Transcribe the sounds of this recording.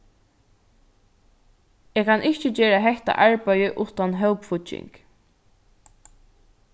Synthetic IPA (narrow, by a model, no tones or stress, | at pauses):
eːɡkʰanʔɪht͡ʃət͡ʃeːɹaɦɛht̪a̰ʔaɹpæjɪʔuːt̪anɦœwpfʊt͡ʃːɪ̰ŋk